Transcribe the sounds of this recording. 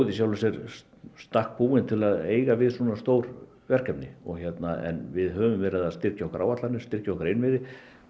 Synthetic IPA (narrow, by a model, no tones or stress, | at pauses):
ðɪs̬jawlasɛɾ | st̪ahk̚puːɪnt̪ʰɪlaðeːjɣavɪðswɔnast̪oːwɾ | vɛr̥kɛpnɪɔɣçɛt̪naɛ̰nvɪðɦœːvʏmvɛɾɪðaðst̪ɪr̥caɔhkɾʔaːwat̪lanːɪ̥st̪ɪr̥caɔhkɾejnvɪðɪ